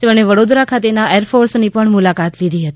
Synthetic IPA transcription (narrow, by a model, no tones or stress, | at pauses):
t̪emɽ̃eʋəɽod̪ɾakʰat̪enaʔeɾfʰoɾsnipəɳmʊlakat̪lid̪ʱiɦət̪i̥